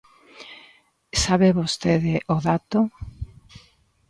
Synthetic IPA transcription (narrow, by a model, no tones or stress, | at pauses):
saβeβost̪eðeʔoðat̪o